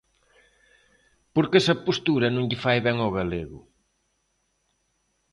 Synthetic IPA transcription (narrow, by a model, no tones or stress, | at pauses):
poɾkesɐpost̪uɾɐnõŋʎɪfajβɛŋoɣaleɣʊ̰